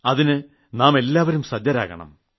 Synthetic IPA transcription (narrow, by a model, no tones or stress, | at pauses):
ɐðinɨ | naːme̞lːaːʋɐɾumsɐd͡ʑːɐɾa̰ːɣɐ̰ɳɐ̰m